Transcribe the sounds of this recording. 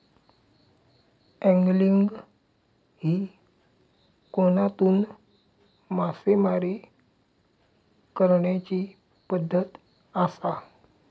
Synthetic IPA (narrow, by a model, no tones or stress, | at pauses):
ɛ̃ŋɡliŋɡ | hi | konat̪uːn | masemaɾe | kəɾɳjat͡ɕi | pəd̪ʱːət̪ | asa